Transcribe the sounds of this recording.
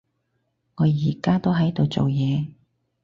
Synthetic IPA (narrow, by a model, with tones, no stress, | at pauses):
ŋɔː˨˧jiː˨˩kaː˥t̪o˥wɦɐ˨˥jt̪o˨wt͡so˨wjɛː˨˧